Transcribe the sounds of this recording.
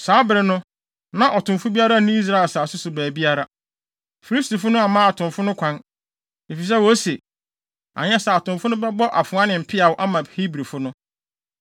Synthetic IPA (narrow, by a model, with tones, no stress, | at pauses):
saː˨˦bɪ˨ɾɪ˨nʊ̃˦ | nã˦˨ʔɔ˨tʰʊ̃˨mfʊ˦bi˦a˦ɾa˦˨nʊ̃˦i˦s̬ɾa˦ɛ˨saː˨sʊ˦sʊ˨bæː˨bi˦a˦ɾa˦ | fi˨li˦sti˨fʊ˦nʊ̃˦a˨mãː˦a˨tʰʊ̃˨mfʊ˦nʊ̃˦kʷʰã˦n | e˨fi˨s̬ɛ˦wo˨˦se˨ | a̰˨ɲɛ˦saː˨tʊ̃˨mfʊ˦nʊ̃˦bɛ˦bɔ˦ʔa˨fʊ̃˨ã˦nɪ̃˨m̩˨pʰɪ˦a˨wʊ˦ʔa˦mã˨hi˦bɾi˨fʊ˦nʊ̃˦